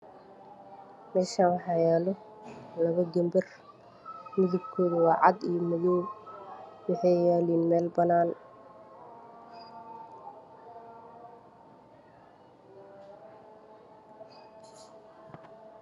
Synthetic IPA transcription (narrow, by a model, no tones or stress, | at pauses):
mɛːʃaːnwɑħɑjaːlɔ | lɐβɐɡɛmbɪr | mɪðɪb̚kʰɔːðɐwɑːʕɑ̰d̪ijɔmʊðɔː | wɑħɑjjɛːliːnmɛːlbɐnaːn